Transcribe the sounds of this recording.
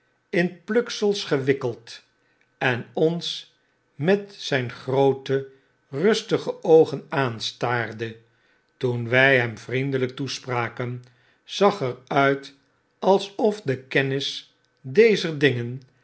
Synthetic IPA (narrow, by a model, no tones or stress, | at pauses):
ɪnplɵksəlˠsχəʋɪkəlˠt | ɛnɔns | mɛtsɛjnχrowtə | rɵstəχəowχənaːnstaːrdə | tunʋɛjɦɛmvrindələk̚tuspraːkən | z̥ɑχɛrœɥt | ɑlˠsɔfdəkɛnɪs | dejzəɹdɪŋən